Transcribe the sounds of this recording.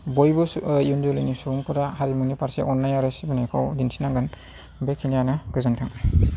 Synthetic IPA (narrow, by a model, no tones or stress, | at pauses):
bojbɔjunzolinisuuŋpʰɔdaɦaɾimunipaɾseʔɔnːajaɾɯsibɯnejkʰawdinsʰinaŋɡɯn | bekʰinijanɯɡɯzantʰaŋ